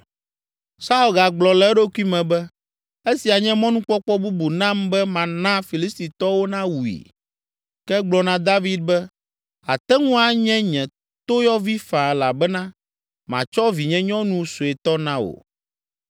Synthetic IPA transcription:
sa˦u˨lɡa˨ɡ͡blɔ˨lɛ˦ɖo˦ku˦i˦mɛ̃˨bɛ˦ | e˦si˨a˨ɲɛ̃˦mɔ̃˦nũ˦k͡pɔ˦k͡pɔ˦bu˦bu˨nã˦mbɛ˦mã˨nã˦fi˨li˦st̪i˨t̪ɔ˦wo˦nã˦wu˨ḭ˨ | kɛ˦ɡ͡blɔ˨nã˦d̪a˦vi˦d̪̚bɛ˦ | a̰˨t̪ɛ˦ŋũ˦a˨ɲɛ̃˦ɲɛ̃˨ | t̪o˦jɔ˦vi˦fã˨la˨bɛ˦nã˦ | mã̰˨t͡ʃɔ˦vi˨ɲɛ̃˦ɲɔ̃˦nũ˦so˨ɛ˨t̪ɔ˦nã˦wo̰˨

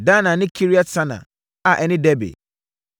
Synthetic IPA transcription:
dã˦nã˨nɪ̃˦kʰi˦ɾi˦a˦sʰã˦nã̰˨ | a˨ʔɛ˨nɪ̃˦dɛ˦bḛ˨

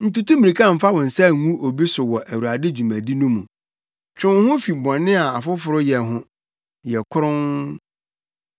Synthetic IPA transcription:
n̩˦tu˦tũ˦mĩ˨i˨kʰã˦˨m̩˦fa˦wɔ̃˨n̩˨sɛ˦˨ŋ̩˨ŋũ˦ʔo˨bi˦sʊ˨wɔ˨ʔæ˨wu˨ɾa˨dɪ˦d͡ʑu˨mæ̃˨di˦nũ˦mũ˨ | t͡ɕᶣʊ̃˦hʊ̃˦fi˨bɔ̃˨nːɪ̃˦a˨a˨fʊ˦fʊ˨ɾʊ˦jɛ˨ɦʊ̃˦ | jɛ˨kʰʊ˦ɾʊ̃˦ŋ

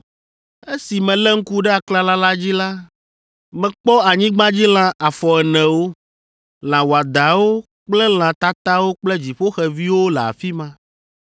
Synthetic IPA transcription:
e˦si˨mɛ̃˨lɛ˦ŋ̩˦ku˦ɖɛ˦a˨kla˦la˦la˦d͡ʑi˦la˦ | mɛ̃˨k͡pɔ˦a˨ɲĩ˦ɡ͡bã˦d͡ʑi˦l̃ã˦ʔa˨fɔ˨ɛ˨nɛ̃˨wo˦ | l̃ã˨wo˨a˨d̪a˨wo˦ | k͡plɛ˦l̃ã˨t̪a˦t̪a˦wo˦k͡plɛ˦d͡ʑi˨ɸo˦xɛ˨vi˦wo˦lɛ˨a̰˨fi˦mã˦

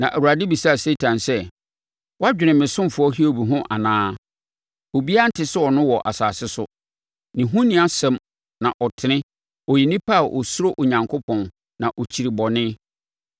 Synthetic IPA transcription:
nã˨ʔæ˨wu˨ɾa˨dɪ˦bi˨sa˦˨se˦tʰã˨nsɛ˦ | wɔ˦a˦d͡ʑᶣɪ˨nɪ̃˨mɪ̃˨sʊ̃˦m˨fʊ˨˦ɔ˦ɦi˦o˨bi˨ɦʊ̃˦ʔa̰˨nãː˦ | o˨bi˦a˦n̩˦tʰɪ˦sʊ˦ɔ˨nʊ̃˦wɔ˨ʔa̰˨saː˨sɪ˦sʊ˦ | nɪ̃˨ɦũ˦nɪ̃˦a˦sɛ̃˦m | nã˨ʔɔ˨tʰɪ˨nɪ̃˦ | ɔ˨ji˨nɪ̃˦pʰa˦˨ʔɔ̰˨sʊ˦ɾo˦ʔo˨ɲã˨ŋkʰʊ˦pʰɔ̃˨n | nã˨ʔɔ˨t͡ɕʰi˨ɾi˨bɔ˨nɪ̃˦

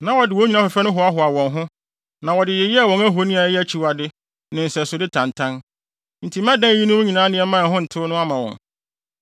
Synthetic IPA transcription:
nã˨wɔ˨dɪ˨wɔ˨˦ɲĩ˨nã˦fɛ˨fɛ˦nʊ̃˦ɦʊ˨a˦ɦʊ˨a˨wɔ̃˨nɦʊ̃˦ | nã˨wɔ˨dɪ˨jɛ˨jɛ˦a˨wɔ̃˨ŋæ˦ɦo˨˦nĩ˦a˨˦jɛ˦æ˦t͡ɕʰi˨wa˨dɪ˦ | nɪ̃˨n̩˨sɛ˨sʊ˨dɪ˦tʰã˨n˨tʰã˦n | n̩˨tʰi˨˦mã˦dã˦˨ji˦nʊ̃˦wʊ̃˦ɲĩ˨nãː˨˦nɪ̃˨˦ɛ˦mã˦˨ɦʊ̃˦n̩˨tʰʊ˦nʊ̃˦a˦mã˨wɔ̰̃˨n

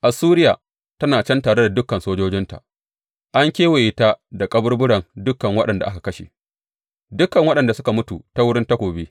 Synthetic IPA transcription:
ʔa˨suː˦ɾɪ˦jaː˨ | tɐ˦naː˨t͡ʃɛ˦ntaː˨ɽe˦da˨dʊ˦kːɐ˨nsoː˦d͡ʒoː˦d͡ʒɪ˦nta̰˨ | ʔa˦ŋkʲeː˦we˨ʔɪ˨taː˦da˨kʼɐ˦bʊ˦rbʊ˦ɽɐ˨ŋdʊ˦kːɐ˨ŋwɐ˦ɗɐ˨nda˨ʔa˦ka˨kɐ˦ʃḛ˨ | dʊ˦kːɐ˨ŋwɐ˦ɗɐ˨nda˨sʊ˦ka˨mʊ˦tṵ˨ta˦wʊ˦ɽɪ˦nta˦kʷoː˨beː˦

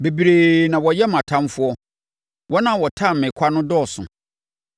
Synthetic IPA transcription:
be˨bi˨ɾeː˨nã˨wɔ˨jɛ˦mã˨tʰã˦mfʊ˦ɔ˦ | wɔ˦nã˦˨wɔ˨tʰã˦m̩˨mɪ̃˨kʷʰa˦nʊ̃˦dɔː˦˨sʊ̰̃˨

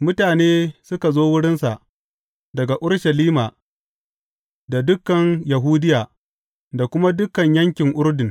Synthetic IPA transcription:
mʊ˦taː˨neː˦sʊ˦ka˨zoː˦wʊ˦ɽɪ˦nsa˨ʔ | dɐ˨ɡa˨ʔʊ˦ɽʃɐ˨liː˦maː˨ | da˨dʊ˦kːɐ˨ŋja˨ɦuː˦dɪ˦jaː˨ | da˨kʷʊ˦ma˦dʊ˦kɐ˨ɲjɐ˦ŋkʲɪ˨ŋʔʊ˦rdɪ˨n

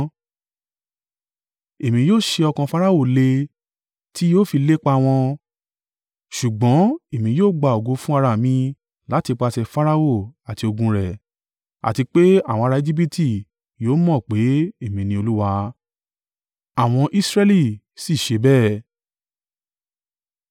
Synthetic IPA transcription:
e˨mĩ˧joː˦˨ʃe˧ɔ˧kã˧fa˦ɾa˦o˦˨le˧ | ti˦joː˦˨fi˧le˦k͡pa˧w̃ɔ̃˧ | ʃu˨ɡ͡bɔ̃˨˦e˨mĩ˧joː˦˨ɡ͡ba˨o˨ɡo˧fũ˦a˧ɾa˧˨mĩ˧ | la˨˦ti˧k͡pa˧sɛ˧fa˦ɾa˦o˦˨a˨ti˧o˧ɡũ˧ɾɛ˨ | a̰˨ti˧k͡pe˦a˦˨wɔ̃˧ɾa˧e˧d͡ʒi˦p̬i˦tʰi˦˨ | joː˨˦mɔ̃˦˨k͡pe˨˦e˦˨mĩ˧nĩ˧˦o˧lu˦wa˧ | a˨w̃ɔ̃˧ʔi˦sɾɛ˦li˦˨ | si˦˨ʃe˨˧bɛː˦˨

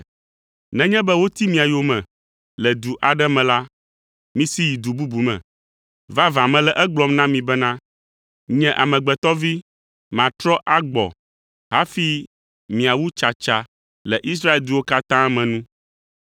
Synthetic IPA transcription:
nɛ̃˦ɲɛ̃˦bɛ˦wo˦t̪i˦mĩ˨a˨jo˦mɛ̃˨ | lɛ˨d̪u˨ʔa˨ɖɛ˦mɛ̃˨la˦ | mĩ˦si˦ji˨d̪u˨bu˦bu˨mɛ̰̃˨ | va˦vã˨mɛ̃˨lɛ˨ʔɛ˦ɡ͡blɔ˦mnã˦mĩ˨bɛ˦nã˦ | ɲɛ̃˨ʔa˨mɛ̃˨ɡ͡bɛ˨t̪ɔ˦vi˦ | mã˨t̪ɾɔ˦ʔa˦ɡ͡bɔ̰˨ | ɦa˦fi˦ | mĩ˨a˨wu˦t͡ʃa˨t͡ʃa˨ | lɛ˨ʔi˦s̬ɾa˦e˨ld̪u˦wo˦ka˦t̪ã˦mɛ̃˨nũ˦

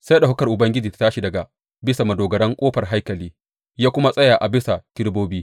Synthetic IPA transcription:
sa˦ɗa˨ɦʊ˦kɐ˨rʔʊ˨bɐ˦ŋɡʲɪ˦d͡ʒiː˨tḁ˨˦taː˦ʃi˨dɐ˨ɡa˨ | bɪ˦sa˨mɐ˨doː˨ɡɐ˨ɽɐ˦ŋkʷʼoː˦ɸɐ˨rɦa˦jkɐ˨liː˦ | jaː˦kʷʊ˦ma˦sʼɐ˦jaː˨ʔa˨bɪ˦sa˨tɪ˦ɽboː˦biː˦

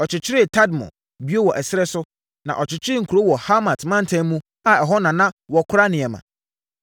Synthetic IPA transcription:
ɔ˨t͡ɕʰɪ˨t͡ɕʰɪ˦ɾɪ˦tʰa˦dmɔ̰̃˨ | bi˦o˦wɔ˨ʔɛ˨sɪ˦ɾɛ˦sʊ˦ | nã̰˨ʔɔ˨t͡ɕʰɪ˨t͡ɕʰɪ˦ɾɪ˦ŋ̩˨kʰu˨ɾo˦wɔ˨ha˦mã˨tʰmã˦n̩˨tʰã˦mũ˦ | a˨ɛ˨ɦɔ˦nã˨nã˦wɔ˨kʰʊ˦ɾa˦nɪ̃˨ɛ˨mã̰˨

